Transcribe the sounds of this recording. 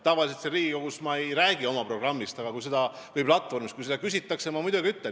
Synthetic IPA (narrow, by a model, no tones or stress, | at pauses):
t̪ɑvɑlʲis̬et̪seɾiːɡikoɡ̥usmɑe̞jɾæːɡ̥io̞mɑpro̞ɡ̥rɑmːist̪ɑɡ̥ɑkujse̞d̪ɑvɤjplɑt̪ːvo̞rmist̪kujsed̪ɑkys̬ʲit̪ːˑɑksemɑmujd̪̥uɡiyt̪ːe